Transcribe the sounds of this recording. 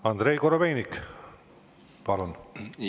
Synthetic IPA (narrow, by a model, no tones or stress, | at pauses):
ɑnd̪ɾejkoɾobejnʲik | pɑlon